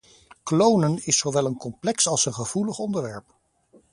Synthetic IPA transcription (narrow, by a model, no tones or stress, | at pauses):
klownənɪsowʋɛlˠənkɔmplɛksɑlˠsənχəv̥uləχɔndəɹʋɛɹp